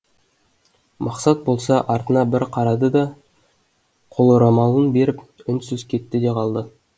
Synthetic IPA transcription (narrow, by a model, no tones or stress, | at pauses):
mʔɑqsɑt̪̚bo̞lˠsɑʔɑɾt̪ənɑbɪɾqʰɑɾɑd̪əd̪ɑ | qʰo̞lˠoɾɑmɑlˠənbe̞ɾɪpʏnsʏzkʲʰe̞t̪ːɪd̪e̞qʰɑlˠd̪ə